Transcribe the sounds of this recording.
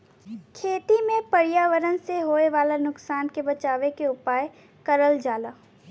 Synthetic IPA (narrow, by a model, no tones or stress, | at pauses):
kʰeːt̪imẽpɐɽijaːʋəɾənseɦoːeʋaːlanʊksaːnkebɐt͡ʃaːʋekeʊpaːj | kɐɾəld͡ʒaːlaː